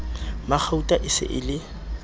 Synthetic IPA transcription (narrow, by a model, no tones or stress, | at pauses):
mak͡xʰautʼaʔɪsɪ̰ʔɪlɪ